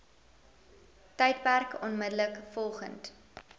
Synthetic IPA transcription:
tɛjt̚pærkɔnmədələkfɔlˠχə̰nt

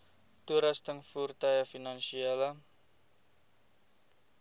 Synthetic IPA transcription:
t̪uɾast̪əŋfurt̪ajafinansiala

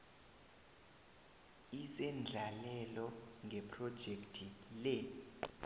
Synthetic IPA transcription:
isɛnd͡ɮʱalɛlɔŋɡʱɛpʰrɔd̥ʒ̥ʱektʰilɛ

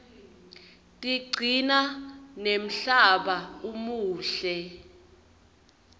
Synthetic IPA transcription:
tʼiɡ͡ǀʱinanem̩ɬaɓaumuːɬɛ

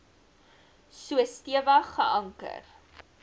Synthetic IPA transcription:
suəstiəvɐχəʔɐŋkə̰r

